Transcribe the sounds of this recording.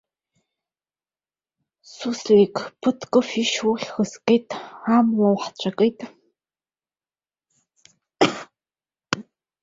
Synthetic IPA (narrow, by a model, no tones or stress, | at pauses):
suswekpʰɨtʰkʼɨfiʃuɬxəskʼejtʰʼaːmwɐwħt͡ɕʷʼɐkʼejtʰʼ